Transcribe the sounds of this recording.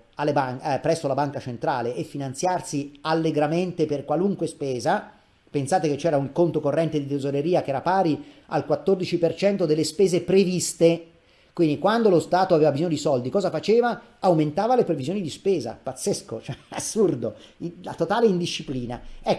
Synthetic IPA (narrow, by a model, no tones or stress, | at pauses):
alːebaŋpɾɛsːolabaŋkat͡ʃent̪ɾa̰ːleʔːfːinant̪sjarsialːeɡɾament̪eperkwaluŋkwespeːza | pensaːt̪eket͡ʃːɛːɾauŋkont̪okorːɛnt̪ed̪it̪ezoɾeɾiːak̟eɛːɾapaːɾia̰lkwat̪ːord̪it͡ʃipert͡ʃɛnt̪od̪elːespeːzepɾevist̪e | kwind̪ikwand̪olost̪aːt̪oaveːvabizoːɲːod̪isɔld̪ikɔːzafat͡ʃeːva | awment̪aːvalepɾevizijoːnid̪ispeːza̰pat̪sːeskot͡ʃoɛasːurd̪oilat̪ot̪aːleind̪iʃːipliːna̰ɛkː